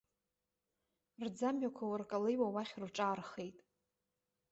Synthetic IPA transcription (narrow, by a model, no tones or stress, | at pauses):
rd͡zamɥakʷʰawarkʼalejwawaχʲrʈ͡ʂʼaːrχe̞jtʼ